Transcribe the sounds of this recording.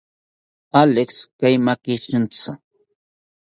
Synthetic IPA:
alekskajmakɪt͡ʃɪnt͡sa

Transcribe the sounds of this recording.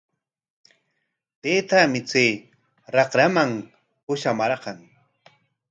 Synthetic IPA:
t̪eːt̪amɪt͡seː | ɾɑqɾamaŋ | pʊʃamaɾqɑŋ

